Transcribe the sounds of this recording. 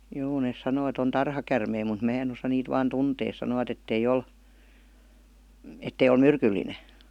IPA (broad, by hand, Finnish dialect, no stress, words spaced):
joː nes sɑnoː et on tɑrhɑkærmei mut mæː en osɑ niːt ʋɑːn tunteː sɑnoʋɑt etːei ol etːei ol myrkylːine